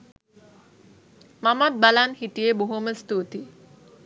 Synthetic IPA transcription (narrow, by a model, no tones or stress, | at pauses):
mamat̪̚balanhiʈijeboɦuməst̪ut̪i